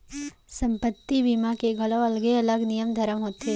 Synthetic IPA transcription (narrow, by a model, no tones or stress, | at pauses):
sɐ̃mpət̪ːibimakeɡʱɐləɐlɡeɐləɡnijəmd̪ʱɐɾəmɦoːt̪e